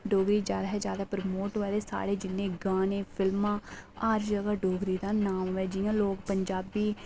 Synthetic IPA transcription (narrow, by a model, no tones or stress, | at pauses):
ɖoːɡɾiːd͡ʒjaːd̪aːɦɛd͡ʒjaːd̪aːpɾəmoːʈʋaːleːsa̰ːɽeːd͡ʒɪnːẽːɡaːnẽːpʰɪlmãːaːɾd͡ʒəɡaːɖoːɡɾiːd̪aːnaːmʋɛːd͡ʒɪjãːloːkpəɲd͡ʒaːbiː